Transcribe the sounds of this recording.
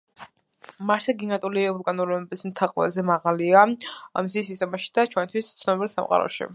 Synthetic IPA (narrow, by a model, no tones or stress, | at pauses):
maɾsʰaɡinat̪ʼulivuɾkʼanulɔbɛbismt̪ʰaqʼvɛ̰zɛmaʁaliaamisisist̪ʼɔmaʃi̥d̪̥at͡ʃʰwɛnt̪ʰwist̪sʰnɔbilˠsa̰mqʼa̰ɾɔ̰ʃḭ